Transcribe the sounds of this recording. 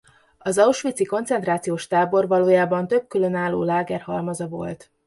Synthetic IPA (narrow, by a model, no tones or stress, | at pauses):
ɒzɒuʃʋit̪siko̞ntsɛnt̪raːt̪sijoːʃt̪aːbo̞rvɒloːjaːbɒnt̪øb̚kylø̞naːlːo̰ːlaːɡɛrhɒlmɒzɒvo̞̰lt̪